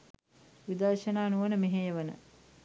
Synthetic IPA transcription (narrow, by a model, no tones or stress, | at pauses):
ʋid̪əɾʃənaːnuʋənəmeɦejəʋənə̰